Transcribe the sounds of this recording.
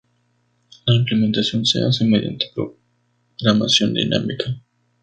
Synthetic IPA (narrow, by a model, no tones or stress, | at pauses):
laimplement̪asjo̞nsḛa̰semeðja̰nt̪e̥pɾo̰ | ɣɾama̰sjo̞nd̪ḭnʔa̰mikʰa